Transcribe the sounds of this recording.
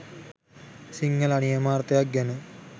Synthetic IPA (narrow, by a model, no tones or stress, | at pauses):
siŋːəlanijəmaːrt̪əjak̚ɡænə